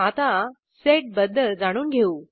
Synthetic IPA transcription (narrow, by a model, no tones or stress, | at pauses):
at̪a | seʈ̚bəd̪ʱːəd͡zaɽ̃uːnɡʱeuː